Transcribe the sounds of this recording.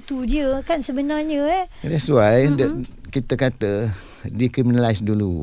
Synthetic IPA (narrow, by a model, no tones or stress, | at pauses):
t̪udiəkansəbənarɲədɛsuajdəkit̪əkat̪ə | dikɾiminalajsdulu